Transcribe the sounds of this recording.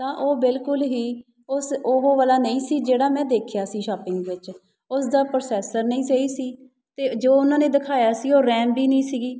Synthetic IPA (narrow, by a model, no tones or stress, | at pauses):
t̪ãːʔoːbɪlkʊlɦiː | ʊsoɦoːʋaːlaːnəĩːsiːd͡ʒeːɽaːmɛ̃ːd̪eːkʰjaːsiːʃaːpɪŋɡʋɪt͡ʃ | ʊsd̪aːpɾoːsɛːsəɾnəĩːseiːsiː | t̪eːd͡ʒoːʊnãːneːd̪ɪkʰaːjaːsiːoːɾɛ̃ːmbiːnəĩːsiːɡiː